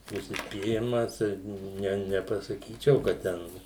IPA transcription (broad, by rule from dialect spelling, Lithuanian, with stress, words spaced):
ʊʃʲsʲɪsʲpʲiːˈrʲɪmɐs ɪr ˈnʲɛ nʲɛpɐsɐˈkʲiːt͡ʃʲɛʊ kɐt ˈtʲɛn